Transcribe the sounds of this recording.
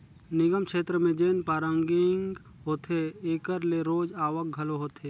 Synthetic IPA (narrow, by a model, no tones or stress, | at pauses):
nɪɡəmkʃeːt̪ɾəmẽd͡ʒeːnpaːɾəŋɡɪŋɡ | ɦoːt̪ʰeeːkəɾleɾoːd͡ʒaːʋək̚ɡʱɐloɦoːt̪ʰeː